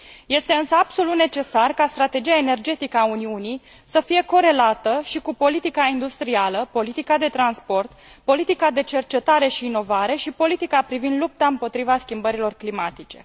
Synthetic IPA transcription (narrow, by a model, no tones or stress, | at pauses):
je̞st̪e̞ɨnsəabso̞lut̪ne̞t͡ʃe̞sarkast̪ɾat̪e̞d͡ʒijaene̞rd͡ʒe̞t̪ikəauniunij | səfije̞ko̞ɾe̞lat̪əʃikupo̞lit̪ikaind̪ust̪ɾialəpo̞lit̪ikad̪e̞t̪ɾanspo̞rt̪po̞lit̪ikad̪e̞t͡ʃe̞rt͡ʃe̞t̪aɾe̞ʃiːno̞vaɾe̞ʃipo̞lit̪ikapɾivind̪lup̚t̪aɨmpo̞t̪ɾivaskʲimbəɾilo̞rklimat̪it͡ʃe̞̰